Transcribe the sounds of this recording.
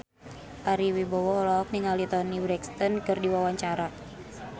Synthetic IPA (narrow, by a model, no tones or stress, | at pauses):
ʔaɾiwibɔwɔlɔɔk̚niŋalit̪ɔnibɾɛkst̪ɔnkɨrdiwawaɲt͡ʃaɾa